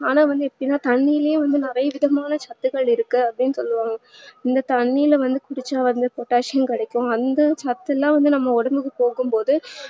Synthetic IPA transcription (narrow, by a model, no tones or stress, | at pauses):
aːnãːʋɐnd̪ɯɛpːɐɽɪnːaːt̪ɐɳːijɪlɐjʊ̃ʋɐnd̪ɯnɪɾɐjɐʋɪðɐmaːnɐt͡ʃɐt̪ːɯɣɐɭɪɾɯkːɯɐpːɽɪnːɯsɔ̰lːɯʋãːŋɡɐɪnd̪ɐt̪ɐɳːijɪlʋɐnd̪ɯkʊɽɪt͡ʃːaːʋɐnd̪ɯpɔʈːaːʂjɐnkɪɽɐkːʊ̃ɐnd̪ɐt͡ʃɐt̪ːɛlːãːʋɐnd̪ɯnɐmːɐɔɽɐmbɯkːɯpoːɣɯmpoːðɯ